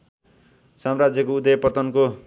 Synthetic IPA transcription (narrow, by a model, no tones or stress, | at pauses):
samrad͡zjʌkoud̪ʌjʌpʌt̪ʌnko